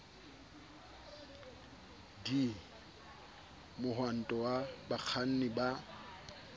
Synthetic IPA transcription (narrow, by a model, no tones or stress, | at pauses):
di | mʊɦwan̩tʼɔwabak͡xʰan̩nɪba